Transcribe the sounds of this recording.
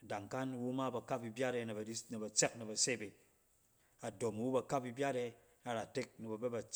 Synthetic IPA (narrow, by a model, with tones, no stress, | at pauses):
da˨ŋka˦nwu˦ma˦bɐ˨ka˦p̚i˨bʲa˦ɾe˧˨i˦ne˨bɐ˨t͡se˦k̚nɐ˨bɐ˨se˦˨be˨ | a˨do˨m˨wu˦ba˨ka˦pi˧bʲja˦ɾe˧ | a˨ɾa˨te˦k̚ni˨bɐ˨be˦ba˨